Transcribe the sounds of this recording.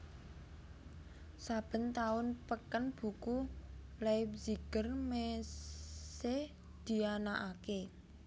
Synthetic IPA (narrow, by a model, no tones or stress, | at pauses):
sab̥ə̤nt̪aʊnpəkənb̥ukulap̚ziɡ̥ərme | se | d̪̥i̤anaʔake